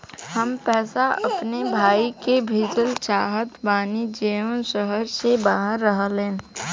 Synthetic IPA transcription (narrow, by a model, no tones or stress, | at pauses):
həmpɛːsaəpnebʱaːikebʱiːd͡ʒəlt͡ʃaːɦət̪baːnid͡ʒeənsəɦəɾsebaːɦəɾːəɦəlẽn